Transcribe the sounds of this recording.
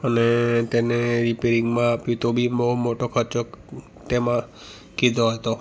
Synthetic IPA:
ənet̪eneɾipeɾiŋɡmãːpjut̪obʱimɔɦumoʈokʰəɾt͡ʃɔk | t̪emã | kid̪ʱoɦɔjt̪o

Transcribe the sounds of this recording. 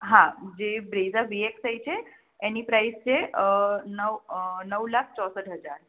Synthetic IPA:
ɦãd͡ʒebɾezaʋieksajt͡ʃʰeː | nipɾajst͡ʃʰe | nəʋnəʋlak̚ʰt͡ʃɔsəʈɦəd͡ʒaɾ

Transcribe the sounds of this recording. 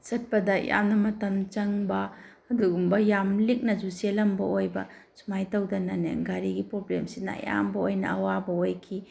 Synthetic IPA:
sɐt̚pɐdɐja̰mnɐmɐtɐmt͡ʃɐŋbɐː | duɡumbɐjamlik̚nɐzuselɐmbɐojbɐ̰ | sumajtɐwdɐnɐnḛŋɡaɾiɡipɾoblemsina̰ja̰mbɐojnɐ̰ɐwabɐojkʰi

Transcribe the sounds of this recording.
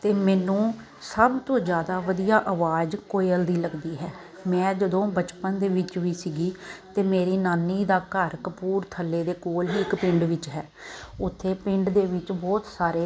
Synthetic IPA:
t̪eːmɛːnũː | səbt̪õːd͡ʒjaːd̪aːʋəd̪ijaːʔəʋaːd͡ʒkoːeəld̪iːləɡd̪iːɦɛː | mɛ̃ːd͡ʒəd̪õːbət͡ʃpənd̪eːʋɪt͡ʃɦiːsiːɡiːt̪eːmeːɾiːnaːniːd̪aːkəɾkəpuːɾt̪ʰəlːeːd̪eːkoːlɦiːɪkpɪ̃ɳɖʋɪt͡ʃɦɛː | ʊt̪ʰːeːpɪ̃ɳɖd̪eːʋɪt͡ʃbɔːt̪saːɾeː

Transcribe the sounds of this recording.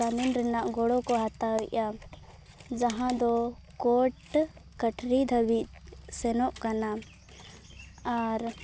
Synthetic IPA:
aminɾɛnaʔɡɔɽɔkɔɦat̪aɦɔjʔa | d͡ʒaɦãd̪ɔkɔʈkəʈɾid̪ʱəbit̪sɛnɔʔkana | aɾ

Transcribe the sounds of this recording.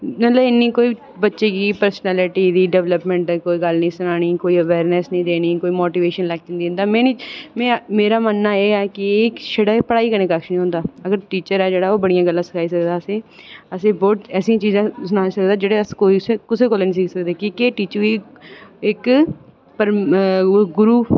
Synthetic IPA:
mət̪ləɪnːiːkoːiː | bətːʃeːkiːpəɾsnɛːlɪʈiːd̪iːɖɛʋləpmɛ̃ɳʈ̪ːkoːiːɡəlnĩːsʊnaːɽ̃iːkoːiːəʋɛːɾnesnĩːd̪eːniːkoːiːmoːʈiːʋeːʃənlɛk̚d͡ʒ̃nd̪ĩːnd̪aːmɛ̃ːimɛ̃ːmeːɾaːmənːaːeːɛːkɪkʃəɽəpəɽaːiːkəɾnẽːkakʃnĩɦõːnd̪aːəɡəɾʈiːt͡ʃəɾɛːd͡ʒeːɽaːoːbəɽijãːɡəlːãːsəkʰaːiːsəkd̪aːəsẽːəsẽːbɔːt̪ɛːsĩːãːt͡ʃiːzãːsʊnaːsəkd̪aːd͡ʒeːɽeːəskoːiːsekʊseːkoleːnĩsiːksəkd̪eːkiːkeːʈiːt͡ʃəiːɪk | pəɾ | ɡʊɾuː

